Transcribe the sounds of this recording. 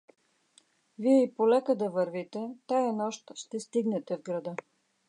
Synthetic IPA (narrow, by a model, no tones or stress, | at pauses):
viɛipolɛkəd̪ɐvəɾvit̪ɛt̪ajɐnɔʃt̪ʃt̪ɛst̪iɡnɛt̪ɛvɡɾɐd̪ɤ